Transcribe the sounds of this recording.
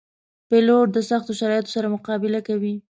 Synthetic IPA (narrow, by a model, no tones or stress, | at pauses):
peloʈ̚d̪əsaxt̪oʃaɾɑjɪt̪o̥saɾamʊqɑbɪlakawi